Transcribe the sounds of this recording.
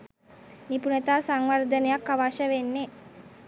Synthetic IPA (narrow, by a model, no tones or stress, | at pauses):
nipunet̪aːsaŋʋərd̪ənejakːaʋaʃəʋenːe